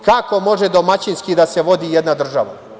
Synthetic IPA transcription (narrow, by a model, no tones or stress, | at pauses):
kako̞mo̞ʒed̪omat͡ɕinskid̪aseʋo̞d̪ijɛd̪nad̪r̩ʒaʋa̰